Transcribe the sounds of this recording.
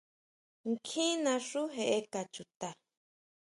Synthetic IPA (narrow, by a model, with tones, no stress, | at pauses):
ŋkʰĩ˦nã˧ʂu˦ɦe˨ʔe˧ka˨t͡ʃu˨t̪a˨